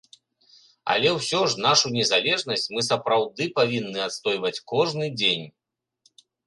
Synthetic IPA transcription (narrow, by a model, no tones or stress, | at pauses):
ɐ̰lʲɛwsʲɔʐnaʂunʲɛzalʲɛʐnɐsʲt͡sʲmɨsɐpɾawd̪ɨpavʲinːɨat̪st̪ɔjvɐt͡sʲkɔʐnɨd͡zʲenʲ